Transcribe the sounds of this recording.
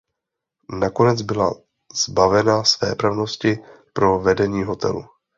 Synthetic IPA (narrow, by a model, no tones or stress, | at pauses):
nako̞nɛd͡zbɪla̰ | z̥bavɛnasvɛːpɾavno̞scɪ | pɾo̞vɛdɛɲiːɦo̞t̪ʰɛ̰lṵ